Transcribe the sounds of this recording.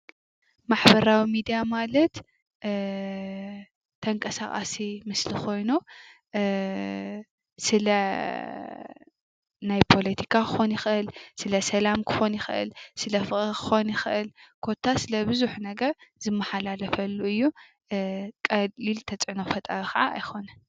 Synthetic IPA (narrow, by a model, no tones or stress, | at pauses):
maħbɐɾawimid̪ijamalɐt̪ | t̪ʰɐŋkʼɐsa̰χʼa̰simɨslikʰo̞jnu | sɨlɐ | najpʰo̞lɐt̪ʰi̥kʰakʰɨxo̞njɪxʔɨlsɨlɐsɐlamkʰɨ̥xo̞njɪxʔɨ̰lsɨlɐfɨʔʼkɨ̥xo̞njɪxʔɨlkʰo̞t̪ʰːasɨlɐbɨzuħnɐɡɐɾzɨmːɐħalalɐfɐlːuɨjːu | kʼɐlilt̪ʰɐt͡sʼʕnofɐt̪ʼɐɾxɐʕa̰ːjxʰo̞nɐn